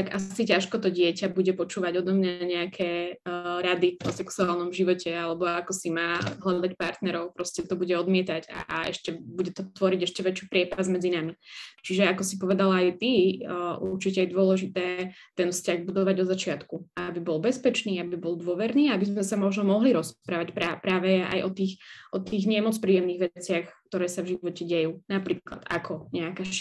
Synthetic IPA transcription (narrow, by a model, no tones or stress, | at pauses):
aɡasicaʃkɔt̪ɔɟɪɛcabuɟɛpɔt͡ʃuːʋaɟɔd̪ɔmɲaɲɛakʰɛːɾad̪iɔsɛksuaːlnɔmʒiʋɔcɛalɛbɔakɔsimaːɦlad̪acpaɾt̪nɛɾɔʊpɾɔscɛt̪ɔbuɟɛɔd̪mɪɛt̪aɟa̰ɛ̰ʃcɛbuɟɛt̪ɔt̪ʋɔɾiɟɛʃcɛʋɛt͡ʃjupɾɪɛpazmɛd͡zinamit͡ʃiʒɛakɔsipɔʋɛd̪alajt̪iʔuɾt͡ʃicɛajd̪ʊɔlɛʒit̪ɛːt̪ɛnfscaɣbud̪ɔʋaɟɔd̪zat͡ʃɪat̪kuabibɔlbɛspɛt͡ʃniːabibɔlˠd̪ʊɔʋɛɾniːaabizmɛsamɔʒnɔmɔɦliɾɔspɾaːʋacpɾapɾaːʋɛjɛʔa̰jʔɔt̪iːxʔɔt̪iːɣɲɛmɔt͡spɾiːjɛmniːɣʋɛt͡sɪaxkt̪ɔɾɛːsavʒiʋɔcɛɟɛjuːnapɾiːkla̰d̪a̰kʰɔɲɛakaʃ